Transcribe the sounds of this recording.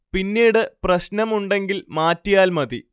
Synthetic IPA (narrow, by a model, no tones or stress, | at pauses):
pinːiːɽɨprɐɕnɐmuɳɖe̞ŋɡilmaːtːijaːlmɐðḭ